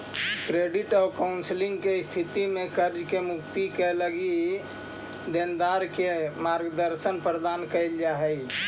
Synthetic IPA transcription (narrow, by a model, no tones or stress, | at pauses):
kɾeɖiʈɔːkaʊnsliŋɡkest̪ʰit̪imẽkəɾd͡ʒkemukt̪ikeləɡi | d̪end̪aɾkemaɾɡd̪əɾʃənpɾəd̪ankəjld͡ʒaɦɛj